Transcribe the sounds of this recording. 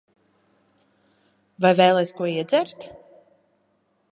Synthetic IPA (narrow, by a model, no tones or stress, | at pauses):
vajvɛːlˠɛjskuɔiɛd̪zʲɛɾt̪